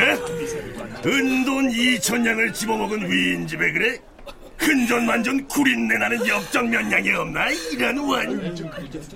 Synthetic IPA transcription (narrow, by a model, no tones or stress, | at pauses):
ɯndonit͡ɕʰʌɲːaŋɯɭt͡ɕibʌmʌɡɯnɥind͡ʑibe̞ɡɯɾe | hɯnd͡ʑʌnmand͡ʑɯnkuɾinːe̞nanɯnjʌk̚t͡ɕ͈ʌŋmjʌɲːaŋeʌmnajiɾanwaɲ